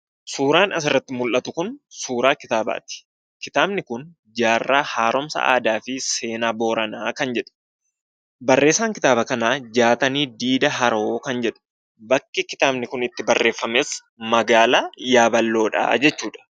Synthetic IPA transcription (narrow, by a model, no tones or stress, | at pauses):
suːɾaːnɐs̬ɪrːɐt̪ːɪmʊlʔɐt̪ʊkʊnsuːɾaːkɪt̪aːba̰ːt̪ɪ̥ | kɪt̪aːbnɪkʊn | d͡ʒaːrːaːhaːɾɔmsɐ̰ʔa̰ːd̪aːfɪse̞ːnaːbo̞ːɾɐnaːkɐnd͡ʒɛᶑʊ̥ | bɐrːe̞ːsːaːŋkɪt̪aːbɐkɐnaːd͡ʒaːt̪ɐniːd̪iːd̪ɐɦɐɾo̞ːkɐnd͡ʒɛᶑʊ̥ | bɐkːɪkɪt̪aːbnɪkʊnɪt̪ːɪbɐrːʔe̞ːfːɐmeːs | mɐɡaːlaːjaːbɐlːo̞ːᶑɐ̰ːd͡ʒɛt͡ʃːuːᶑɐ̥